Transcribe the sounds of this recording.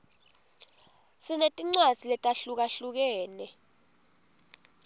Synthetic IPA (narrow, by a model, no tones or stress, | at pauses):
sinetʼiŋ͡ǀad̥z̥ʱilɛtʼaɬuk̬aɬuk̬ɛːnɛ